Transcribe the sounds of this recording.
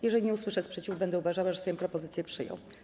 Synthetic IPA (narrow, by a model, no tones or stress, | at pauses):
jɛʐɛlʲiɲɛuswɘʂɛspʂɛt͡ɕivbɛnd̪ɛuvaʐawaʐɛsɔjɔ̃mpɾɔpɔzɘt̪sjɛpʂɘjɔ̰w̃